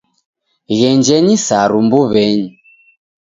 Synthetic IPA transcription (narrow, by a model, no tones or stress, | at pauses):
ɣɛnd͡ʒɛɲisaɾumbuβɛɲi